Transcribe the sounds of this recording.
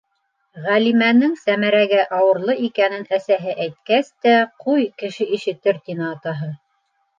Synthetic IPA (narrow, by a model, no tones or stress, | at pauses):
ʁælimænɘŋsæmæɾæɡæʔɑwɤ̆ɾlˠɤʔikænɘnæsæɦɘʔæjt̪̚kæst̪æqʰujkɘ̆ʃɘʔiʃɘ̆t̪ɘɾt̪ʲinɑːt̪ɑɦɤ